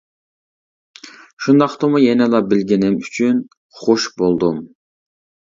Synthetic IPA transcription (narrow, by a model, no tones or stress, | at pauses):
ʃund̪ɑqt̪ɨmujɛnɛlˠɑbɪlɡʲinɪmyt͡ʃʰyn | χoʃbolˠd̪um